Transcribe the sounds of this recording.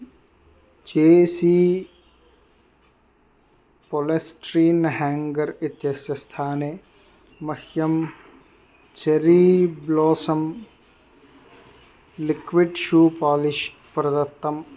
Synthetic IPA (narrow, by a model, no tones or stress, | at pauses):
d͡ʒeːsiː | polesʈɾiːnɦɛːŋɡɐɾit̪jɐsjɐst̪ʰaːne | mɐhjɐm | t͡ʃɐɾiːbloːsɐm | lɪkʋiɖʃuːpaːlɪʃ | pɾɐd̪ɐt̪ːɐm